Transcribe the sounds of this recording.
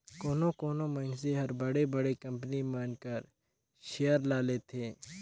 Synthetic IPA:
koːnõkoːnõmɐɪnseɦɐɾbɐɽebɐɽekɐ̃mpnimaːnkɐɾ | ʃejəɾlaːlet̪ʰeː

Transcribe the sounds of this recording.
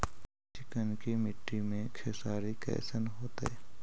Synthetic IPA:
t͡ʃɪkənkimɪʈːimẽkʰeːsaːɾikɛ̰ːsənɦoːt̪ɛ̰ː

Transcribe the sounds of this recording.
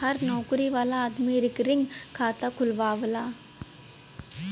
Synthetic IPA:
ɐɾnoːkuɾiʋalaːd̪miɾɯkːɪɾiŋkaːt̪akʊlʋaːʋɯlaː

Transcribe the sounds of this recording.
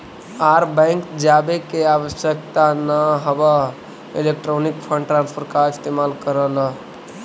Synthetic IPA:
aɾbə̃ŋkd͡ʒabekeawəsjək̚t̪anəɦəbə | ilek̚ʈɾonikpʰə̃ɳɖʈɾãnspʰəɾkaist̪emalkəɾələ

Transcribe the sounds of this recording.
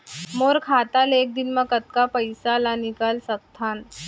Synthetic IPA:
moɾkʰat̪alek̚d̪inməkət̪kapəjsalanikalsək̚t̪ʰan

